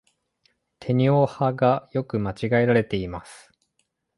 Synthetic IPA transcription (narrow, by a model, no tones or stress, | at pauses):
t̪ʰe̞ɲ̟io̞haɡajo̞kɯ̟mat͡ɕiɡaeɾaɾe̞t̪e̞imasɨ̥